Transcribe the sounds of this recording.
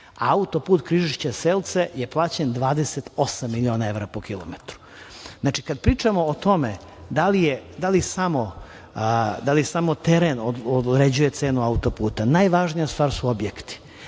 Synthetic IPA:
a̰aut̪o̞puːt̪kɾiʒiʃt͡ɕaseːlˠt̪sejeplˠaːt͡ɕend̪ʋaːd̪eset̪o̞samːilʲio̞ːnae̞ʋɾapokilˠo̰met̪ɾu̥ | znaːt͡ʃikad̪pɾiːt͡ʂamo̞ːt̪o̞me | d̪alijed̪alisamo | d̪alisamot̪eɾenooɾed͡ʑujet̪seːnuaut̪o̞puːt̪anaːjʋaʒnijast̪vʋaːɾsuobjekt̪i̥

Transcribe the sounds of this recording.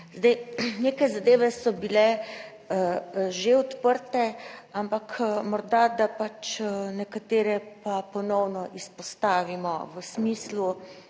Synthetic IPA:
zd̪ajneːkajzad̪eːʋɛsɔbilɛ | ʒeɔt̪pəɾt̪ɛampakmɔɾd̪ad̪apat͡ʃnɛkat̪eːɾɛpapɔnɔwnɔʔispɔst̪aːʋimɔ̰ʋəsmiːslu

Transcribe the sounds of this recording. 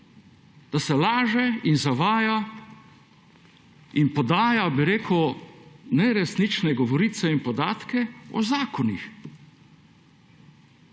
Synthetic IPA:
d̪̥asɛlaːʒɛinzaʋaːja | inpɔd̪aːjabiɾeːkəw | nɛɾɛsnit͡ʃnɛɡɔʋɔɾiːt̪sɛinpɔd̪aːt̪kɛɔ̰zaːkɔnix

